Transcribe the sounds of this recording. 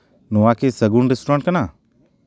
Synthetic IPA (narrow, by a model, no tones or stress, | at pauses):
nuwakesəɡunɾesʈuɾãɳʈ̚kɐna